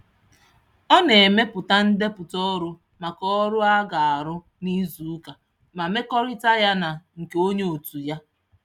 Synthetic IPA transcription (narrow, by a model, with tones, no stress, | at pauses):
ɔ˦ne˨me˦pʊ˨ta˦n̩˦de˦pʊ˨tɔ˦ɾʊ˦ | ma˨kɔ˦ɾʊ˦a˦ɡa˨a˨ɾʊ˦ | ni˦zu˨˦ka˨ | ma˨me˦kɔ˦ɾɪ˦ta˦ja˦na˨ŋ̩˨ke˨o˦ɲe˦o˨tu˨ja˦